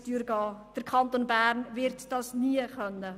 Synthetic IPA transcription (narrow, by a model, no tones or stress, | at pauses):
tyːɾɡɑːd̥əɾkʰɑnt̪onbæːɾnvɪɾtd̥ɑsniəχœnːə